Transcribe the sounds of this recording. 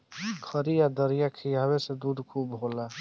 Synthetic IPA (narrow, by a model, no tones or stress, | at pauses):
kʰəɾijad̪əɾijakʰijaaβesed̪ud̪kʰubɦola